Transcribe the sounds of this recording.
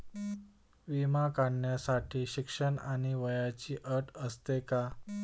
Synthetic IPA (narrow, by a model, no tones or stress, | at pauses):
ʋimakaɳɳjasaʈʰiːɕikʂəɳaɽ̃iʋəjat͡ɕiːʔəɾʈəst̪eka